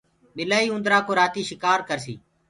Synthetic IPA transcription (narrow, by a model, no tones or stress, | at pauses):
ɗɪlaːiːʊ̃nd̪ɾaːkoːɾaːt̪iːʃɪkaːɾkəɾsḭː